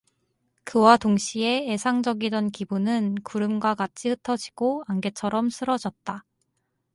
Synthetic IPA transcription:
kɯwatoŋɕʰie̞ːsʰaŋd͡ʑʌɡidʌnkibunɯnkuɾɯmɡwakat͡ɕʰihɯtʰʌd͡ʑi̥ɡ̥oanɡe̞t͡ɕʰʌɾʌmsʰɯɾʌd͡ʑʌt̚t͈a

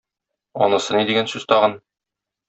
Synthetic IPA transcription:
ɒ̰nɤ̆sɤnid̪iɡænsʉz̥t̪ɒʁɤn

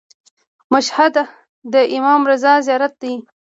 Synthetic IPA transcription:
maʃhad̪a | d̪əʔɪmɑːmɾazɑzjɑːɾat̪̚d̪i

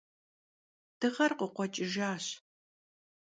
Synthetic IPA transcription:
d̥ɨʁɐrqəqʷɔt͡ʃʼɪʒaːɕ

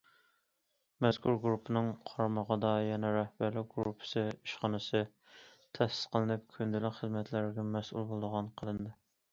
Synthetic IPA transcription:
mɛskʰʲuɾɡɾupʰɨnɨŋqʰɑɾmɑʁɑd̪ɑjɛnɛɾɛhbæɾlɪk̚ʲɡɾupʰːɨ̥sɨiʃχɑnɨsɨ | t̪ʰɛsɪ̥sqʰəlˠɨnɨp̚kʲʰønd̪ylɪχəzmɛt̪ʰlæɾɡʲɛmɛsʔṵlˠbolˠɨd̪əʁɑnqʰəlˠɨnd̪ɨ

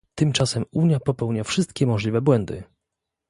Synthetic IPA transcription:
t̪ɘmt͡ʂasɛmuɲjapɔpɛwɲafʂɘst̪kʲɛmɔʐlʲivɛbwɛnd̪ɘ̰

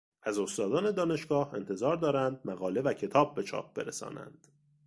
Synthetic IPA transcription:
ʔæzo̞st̪ɒːd̪ɒːne̞d̪ɒːne̞ʃɡ̥ɒːhe̞̰nt̪ʰe̞zɒːɾd̪ɒːɾænd̪̚mæɣɒːle̞væcʰe̞t̪ʰɒːb̚ːe̞t͡ʃʰɒ̰ːp̚ʰb̥e̞̰ɾesɒ̰ːnæ̰nd̪̥

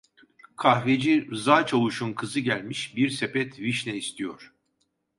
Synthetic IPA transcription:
kʰahved͡ʒiɾɯzaːt͡ʃʰavuʃunkʰɯzɯɟælʲmiʃbiɾsepɛt̪ʰviʃlʲɛist̪ʰijo̰ɾ̥

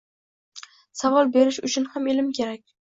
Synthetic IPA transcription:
savɒlˠbe̞ɾɪʃʊt͡ʃʰʊnhamelɪmkʲʰe̞ɾak̚ʲ

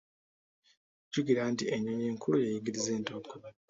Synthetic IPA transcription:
ɟuɡiɾantieɲoɲeːŋkʰulujejiɡiɾize̞ːntokːo

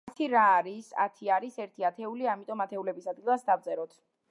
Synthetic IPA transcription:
t̪ʰiɾaːɾisa̰t̪ʰiaɾisɛɾt̪ʰiat̪ʰɛuliamit̪ʼɔmat̪ʰɛulɛbisad̪̚ɡilˠasd̪avd̪zɛɾɔt̪ʰ

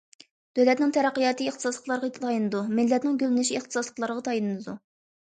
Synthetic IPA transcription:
d̪̥øwlɛt̪nɪŋt̪ʰɛɾɛqːijɑːt̪ʰɨiχt̪ʰɨsɑslˠəqlˠɑɾʁɑt̪ʰɑjinɨd̪umɪlːɛt̪nɪŋɡʲølɪnɪʃieχt̪ʰɨ̥sɑslˠəqlˠɑɾəʁɑt̪ʰɑjinɨd̪ɨd̪u

